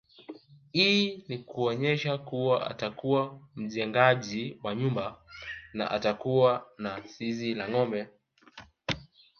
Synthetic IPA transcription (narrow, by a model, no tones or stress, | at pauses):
hiːnikuɔɲɛʃakuwaʔa̰takuwam̩ʄɛŋɡaʄiwaɲumbana̰ʔatakuwanasizilaŋɔmbɛ